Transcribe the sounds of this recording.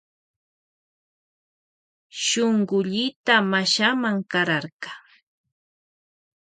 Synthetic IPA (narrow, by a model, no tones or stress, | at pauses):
ʃoɴɢʊʎɪt̪amaʃamaŋkaɾaɾɢɑ̥